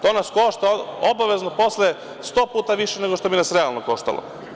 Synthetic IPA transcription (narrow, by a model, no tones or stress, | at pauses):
t̪o̞ːnasko̞ʃt̪aobaʋe̞znopo̞sle | st̪o̞ːpuːt̪aʋiʃene̞ɡo̞ʃt̪obinasɾealˠnoko̞ʃt̪a̰lo̰